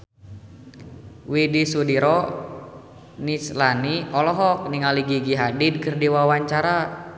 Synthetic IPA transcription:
widisudiɾɔ | nislaniɔlɔɦɔk̚niŋaliɡiɡiɦadid̚kɨrdiwawaɲt͡ʃaɾa

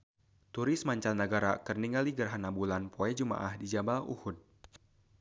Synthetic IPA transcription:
t̪uɾɪsmaɲt͡ʃalnːəɡaɾakərniŋaliɡərɦanabulanpʰoɛd͡ʒuma̰ʔahdid͡ʒabaṵhud̚

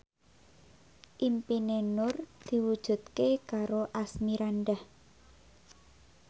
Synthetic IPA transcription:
ʔimpinenʊrd̪̥i̤wud̥ʒ̥ṳt̪̚kekaɾoʔasmiɾanɖah

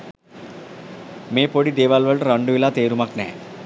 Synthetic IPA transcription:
meːpoɽid̪eːʋalʋəɭʈəɾɐɳɖuʋilaːt̪eːɾumaknɛ̰ɦɛ̰

